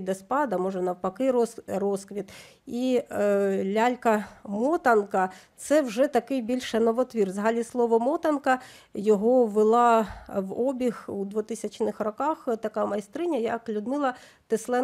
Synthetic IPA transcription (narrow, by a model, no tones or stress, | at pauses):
d̪ɛspɑd̪ɐmɔʒɛnɐwpɐkɪɾrɔskʋʲit̪ | i | lʲalʲkɐmɔt̪ɐnkɐt̪sɛwʒɛt̪ɐkɪjbʲilʲʃɐnɔʋɔt̪ʋʲirʋzɦɑlʲislˠɔʋɔmɔt̪ɐnkɐ | jɔɦɔʋɪlˠɑʋɔbʲixud̪ʋʊt̪ɪsʲɐt͡ʃnɪxrɔkɑxt̪ɐkɑmɐjst̪ɾɪnʲɐjɐklʲʊd̪mɪlˠɐ | t̪ɪslˠɛ